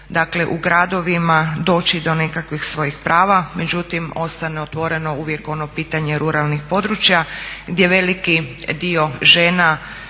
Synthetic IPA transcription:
d̪akle̞ʔuɡɾad̪o̞ʋimad̪o̞ːt͡ʃid̪o̞ne̞kakʋixsʋo̞jixpɾaːʋame̞d͡ʒut̪imo̞st̪aneot̪ʋo̞ɾe̞no̞uʋje̞ko̞no̞piːt̪aɲe̞ɾuɾalˠnixpo̞d̪ɾut͡ʃjaɡd̪je̞ʋe̞likid̪io̞ʒe̞ːna

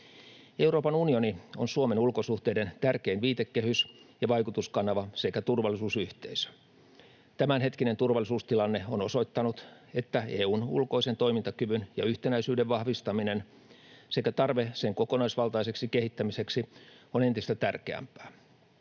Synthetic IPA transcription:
e̞uwɾo̞ːpɑnunio̞nionsuome̞nulkosuht̪eide̞nt̪ærkeinʋiːt̪ekːehysjɑʋɑjkut̪uskɑnɑʋɑsekæt̪urʋɑlːˑisuːsyht̪eisø̥ | t̪æmænɦe̞t̪kine̞nt̪urʋɑlːˑisuːst̪ilɑnːeo̞no̞so̞it̪ːɑnut̪ | e̞t̪ːæeːuːnṵlko̞ise̞nt̪o̞imint̪ɑkyʋynjɑ̰yht̪enæisyːdeʋʋɑhʋist̪ɑmine̞n | se̞kæt̪ɑrʋeseŋkokonɑisʋɑlˠt̪ɑise̞ksikehit̪ːæmise̞ksionent̪ist̪æt̪ærkeæ̰mpæ̥ː

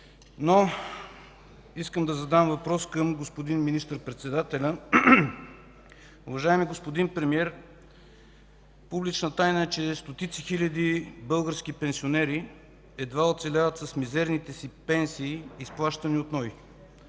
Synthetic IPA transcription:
no | iskəmd̪ɐzɐd̪amvɐpɾɔskəmɡospod̪inminist̪əɾpɾɛt̪sɛd̪at̪ɛlʲɐ | ʊvɐʒaɛmiɡospod̪inpɾɛmiɛɾ | publit͡ʃnət̪ajnəɛt͡ʃɛst̪ot̪it̪sixilʲɐd̪ibɤlˠɡəɾsk̟ipɛnsionɛɾi | ɛd̪vaot̪t̪sɛlʲavət̪sɐsmizɛɾnit̪ɛsipɛnsiːsplˠaʃt̪ɐniot̪nɔj

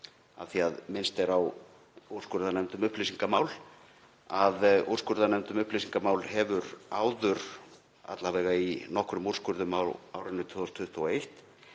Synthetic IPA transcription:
a̰ðθiaðmɪnst̪ɛɾaw | uɾr̥skʏɾðanɛmt̪ʏmʏhplisiŋkamaːwl | aður̥skʏɾðanɛmt̪ʏmʏhplisiŋkamaːwlɦɛvʏɾaːwðʏɾ | a̰t̪lavɛːɣainɔhkɾʏmuɾ̥skʏɾðʏmawaːwɾɪnːʏt̪ʰʏðost̪ʰʏht̪ʰuɔejht̪

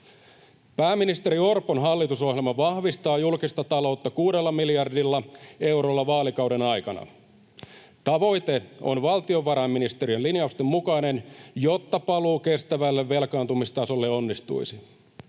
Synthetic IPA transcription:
pæːmːinist̪e̞ɾio̞rponɦɑlːit̪uso̞ɦjelmɑʋɑhʋist̪ɑːjulkist̪ɑt̪ɑlo̞wt̪ːɑkuːde̞lːɑmiljɑrdilːɑe̞wɾolːɑʋɑːlikɑwde̞nɑjkɑnɑ̰ | t̪ɑʋo̞jt̪e̞o̞̰nʋɑlt̪io̞ʋːɑɾɑːmːinist̪eɾiønlinjɑust̪emːukɑine̞njo̞t̪ːɑpɑluːke̞st̪æʋælːeʋːe̞lkɑːnt̪umist̪ɑso̞lːeo̞nːist̪ṵisi

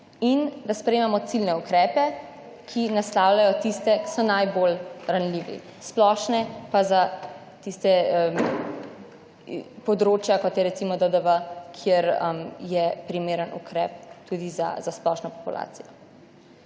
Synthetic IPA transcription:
ind̪aspɾemɛmɔt̪silnɛukɾɛːpɛ | kʰinaslawlajɔt̪ist̪ɛki̥sɔnajbolɾanliːʋḭ | splɔːʃnɛpaza | t̪ist̪ɛəm | pɔd̪ɾoːt͡ʃjakɔt̪jɛɾɛt̪simɔd̪əd̪əʋəkʰjeɾəmjɛpɾimeːɾənṵkɾɛ̰ːp̚t̪ud̪iza̰zasplɔʃnɔpɔpulʔa̰ːt̪sijɔ

